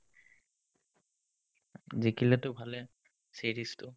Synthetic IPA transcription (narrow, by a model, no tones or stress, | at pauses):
zikilɛtʊbʱalɛ | seɹistʊ